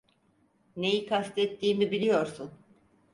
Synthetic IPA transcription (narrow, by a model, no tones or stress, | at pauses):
ne̞jikʰast̪ʰɛt̪ʰːiːmibilʲijo̞ɾsun